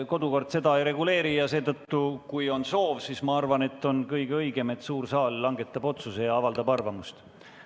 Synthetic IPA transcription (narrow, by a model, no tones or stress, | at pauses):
ko̞d̪uko̞rd̪̥se̞d̪ɑejɾe̞ɡule̞ːɾijɑse̞ːd̪ɤt̪ːukujo̞nso̞ːvsismɑɑrvɑne̞t̪ːˑo̞nkɤjɡ̥eɤjɡ̥e̞me̞t̪suːrsɑːlːɑŋɡ̥e̞t̪ːˑɑb̥o̞t̪suse̞jɑɑvɑld̪ɑbɑrvɑmust̪